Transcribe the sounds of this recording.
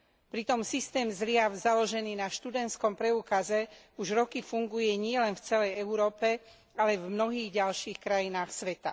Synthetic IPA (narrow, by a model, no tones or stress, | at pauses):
pɾit̪ɔmsist̪ɛːmzlɪavzalɔʒɛniːnaʃt̪ud̪ɛnt̪skɔmpɾɛuːkazɛ | uʒɾɔkifuŋɡujɛɲɪɛlɛnft͡sɛlɛjɛuɾɔːpɛ | alɛvmnɔɦiːɣɟalʃiːxkɾajinaːxsʋɛt̪a